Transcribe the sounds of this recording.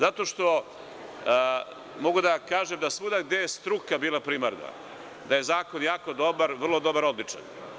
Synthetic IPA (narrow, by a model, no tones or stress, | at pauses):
zat̪o̞ʃt̪o̞ | mo̞ɡud̪akaːʒemd̪asʋud̪aɡd̪ejest̪ɾukabiːlapɾiːmaɾna̰ | d̪aje̞zaːko̞njaːko̞d̪o̞baɾʋrlˠo̞d̪o̞baɾo̞d̪lit͡ʃa̰n